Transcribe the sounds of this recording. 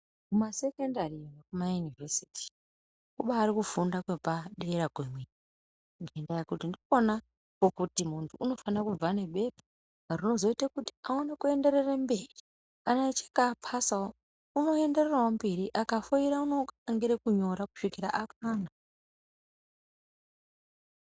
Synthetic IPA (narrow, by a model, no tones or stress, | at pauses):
kumase̞kendariwakumajunivesi̥tʰi̥ | kuɓaːɾikufundakwepaɗeeɾaɡʱwemwei | ŋɡendajekutindiona | kokutimuntʰuʔːno̞fanakub͡vane̞ɓe̞pḁ | rino̞zo̞itakuti̥aonekue̞nde̞ɾe̞rembeːri | kanat͡ʃe̥kapʰasao | uno̞e̞nde̞rerawombeɾiʔakafoiɾauno̞aŋɡiɾekuɲo̞ɾaku̥ʂikiɾaʔakaːna